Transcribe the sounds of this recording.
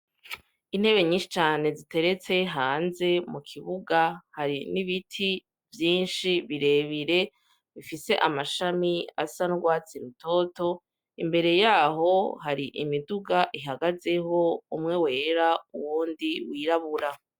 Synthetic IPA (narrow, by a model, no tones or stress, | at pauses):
in̥he̞βe̞ɲiːnʃi̥t͡ʃaːne̞zite̞ɾe̞t͡se̞ɦaːnze̞mukʰiβuɡahaɾiniβitʰi | vjiːnʃiβiɾe̞βiɾe̞ | βifise̞ʔamaʃamia̰sanuɡwaːt͡siɾuto̞to̞ | imbe̞ɾe̞jaːɦo̞ɦaɾiʔḭmiduɡaʔiɦaɡaze̞ɦo̞umŋe̞we̞ːɾaṵwuːndiwiːɾaβuɾa